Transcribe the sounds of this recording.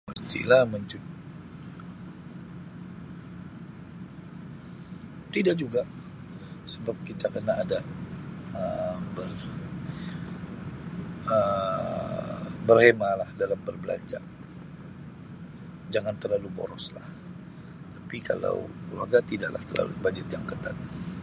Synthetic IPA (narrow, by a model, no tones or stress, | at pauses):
məst̪ḭlahməɲt͡ʃʊt̪̚ | t̪idaʔd͡ʒuɡa | səbap̚kit̪akənaːda | əbər | ə | bərhemalahdalambərbəla̰ɲd͡ʒaʔ | d͡ʒaŋant̪ərlalubo̰ɾɔslah | t̪ḁpika̰la̰wuwa̰rɡat̪idaʔla̰ht̪əla̰lubad͡ʒət̪̚jaŋkət̪at̪̚